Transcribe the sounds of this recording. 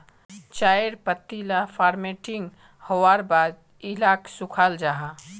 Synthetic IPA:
t͡ʃaːeɾpət̪ːilafʰaːɾmeʈɪŋɡ | howaːɾbaːd̪ | ɪlaːksʊkʰald͡ʒaɦa

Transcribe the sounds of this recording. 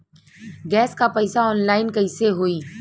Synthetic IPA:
ɡɛːskapɐɪsaɔːnlaːɪnkɐɪseɦoːiː

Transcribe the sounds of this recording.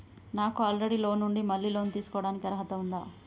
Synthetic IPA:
naːkuaːlɾeɽilo̞ːnːuɳɖimɐlːiːlo̞ːnut̪iːsu̥kɔʋɽaːnikiɐɾɐɦɐt̪ɐund̪a̰ː

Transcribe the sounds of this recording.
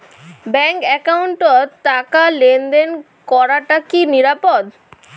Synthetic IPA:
bɛŋkɛkawɳʈot̪akalend̪en | kɔɾaʈakiniɾapod̪

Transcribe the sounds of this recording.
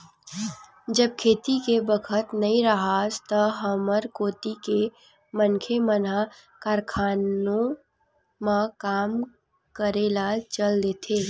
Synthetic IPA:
d͡ʒəb̚kʰeːt̪ikebəkʰət̪nɐĩɾəɦast̪əɦəməɾkoːt̪ike | mənkʰeməna | kaːɾkʰaːnõ | mãkaːm | kəɾeːlat͡ʃəld̪et̪ʰeː

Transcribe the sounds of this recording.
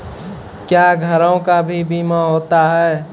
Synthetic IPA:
kjaɡʱəɾõkabʱibiːmaɦot̪aɦɛː

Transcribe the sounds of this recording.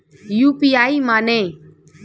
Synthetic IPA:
juːpiːaːiːmaːnẽː

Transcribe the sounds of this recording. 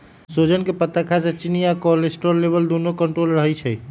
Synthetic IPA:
sod͡ʒənkepət̪akʰasẽt͡ʃinijakɔlesʈoɾːebəld̪onokəɳʈɾolɾəɦɛt͡ʃʰɛj

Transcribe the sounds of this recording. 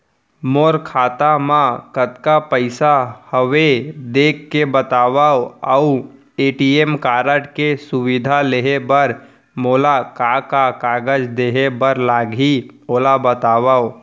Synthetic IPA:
moːɾkʰaːt̪amãkət̪kapəɪsahəʋed̪eːkʰːebət̪aːʋaːoəu | eːʈieːmkaːɾəʈkesʊwɪd̪ʱaleːɦebəɾ | moːlakakakaːɡəd͡ʒd̪eːɦebəɾlaːɡɦioːlabət̪aːʋaːo

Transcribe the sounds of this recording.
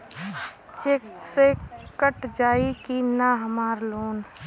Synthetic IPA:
t͡ʃeːksekəʈd͡ʒaːikinaɦəmaːɾloːn

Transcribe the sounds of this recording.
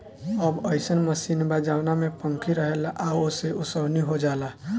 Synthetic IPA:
əbəɪsənməsinbad͡ʒawnamepə̃ŋkʰiɾəɦelʔaoseusəbniɦod͡ʒala

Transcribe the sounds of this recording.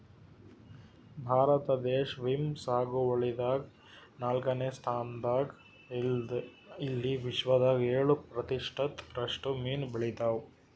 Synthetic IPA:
bʱaːɾɐt̪ɐd̪eːʃʋimsaːɡuɐɭid̪aːɡ | naːlkɐneːst̪ʰaːnd̪aːɡ̪ | ilːiʋiʃʋɐd̪aːɡeːɭupɾɐt̪iʂʈʰɐt̪ɾɐʂʈumiːnbiɭit̪aːw

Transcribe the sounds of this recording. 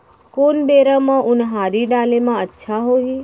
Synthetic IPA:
konbeɾamãʔʊnɦaːɾiɖaːlemãətːʃʰaɦoɦi

